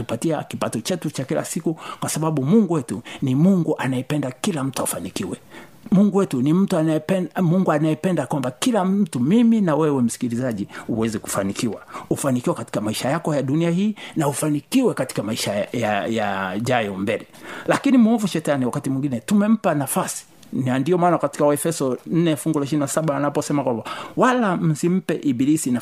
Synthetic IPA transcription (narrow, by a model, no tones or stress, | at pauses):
upatia̰kipatɔt͡ʃɛtut͡ʃakila̰sikukwasaɓaɓumuŋɡuwɛtunimuŋɡuʔanajɛpɛndakilam̩tuafanikiwɛ | muŋɡuwɛtunim̩tuanɛɛmuŋɡuanajɛpɛndakwambakilam̩tumiminawɛwɛm̩si̥kilizaʄiuwɛzɛku̥fanikiwaufanikiwɛkati̥kamaiʃajakɔjaɗuniahiːnaufanikiwɛkati̥kamaiʃajajaʄajɔmbɛlɛlakinimuɔvuʃɛtaniwakatimwiŋɡinɛtumɛm̩panafasi̥ | nandiɔmaːnakati̥kawɛfɛsɔn̩nɛlfuŋɡulaʃ̬ininasaɓawanapɔsɛmakwambawalam̩sim̩pɛʔiɓilisina